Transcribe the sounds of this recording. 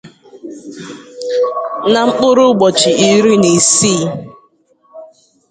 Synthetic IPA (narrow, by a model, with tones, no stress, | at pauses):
na˨ŋ͡m̩˦k͡pʊ˦ɾʊ˦ɡ͡bɔ˨t͡ʃi˨i˨˦ɾi˦ni˨siː˦˨